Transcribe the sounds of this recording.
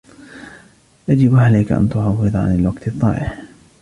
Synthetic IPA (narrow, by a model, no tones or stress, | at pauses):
jad͡ʒɪbʕalajkaʔa̰nt̪ʊʕɑwːɨðˤʕa̰nɪlwaɡt̪ɨt̪ˤːɑ̰ːʔɪħ